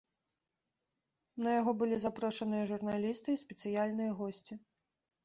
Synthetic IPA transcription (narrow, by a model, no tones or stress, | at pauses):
nɐjaɣɔbɨlʲizapɾɔʂɐnɨjɐʐurnalʲist̪ɨisʲpʲɛt̪sɨjalʲnɨjɐɣɔsʲt͡sʲi